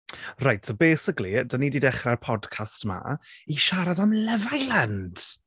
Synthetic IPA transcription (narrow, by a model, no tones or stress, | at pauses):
rajtsɔbeːsɪklidənidiːdɛχrarpʰɔdkʰastma̰iʃaɾadamlɛvajland̥